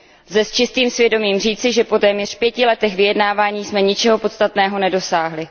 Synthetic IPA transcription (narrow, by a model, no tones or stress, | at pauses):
zɛst͡ʃɪst̪iːmsvjɛdo̞miːmriːt͡sɪʒɛpo̞t̪ɛːmɲɛr̝̥pjɛcɪlɛt̪ɛxvɪjɛdnaːvaːɲiːsmɛɲɪt͡ʃɛɦo̞po̞t̪st̪at̪nɛːɦo̞nɛdo̞saːɦlɪ